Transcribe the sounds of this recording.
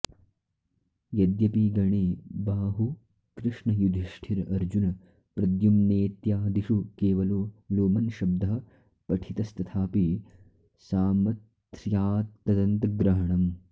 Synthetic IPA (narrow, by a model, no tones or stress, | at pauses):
jɐd̪jɐpiɡɐɳeːbaːɦu | kɾɪʂɳɐjud̪ʱiʂʈʰiɾɐɾd͡ʒunɐ | pɾɐd̪jumneːt̪jaːd̪iʂukeːʋɐloːloːmɐnʃɐb̚d̪ɐɦɐ | pɐʈʰit̪ɐst̪ɐt̪ʰaːpi | saːmɐt̪ɾjaːt̪ːɐd̪ɐnt̪ɐɡɾɐɦɐɳɐm